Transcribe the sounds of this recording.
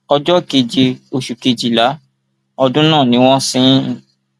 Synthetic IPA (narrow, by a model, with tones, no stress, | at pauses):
ɔ˧d͡ʒɔ˦ke˧d͡ʒi˧o˧ʃu˨ke˧d͡ʒi˨la˨˦ | ɔ˧dũ˦nãː˦˨nĩ˦w̃ɔ̃˦sĩ˦˨